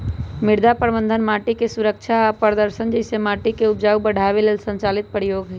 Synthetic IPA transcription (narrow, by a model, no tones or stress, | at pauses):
mɪɾd̪apəɾbənd̪ʱənmaːʈikesuɾəkt͡ʃʰaːpəɾd̪əɾsənd͡ʒəɪsemaːʈikeupd͡ʒaːubəɽ̤ʱaʋelelsə̃nt͡ʃaːlit̪̚pəɾjoːɡɦ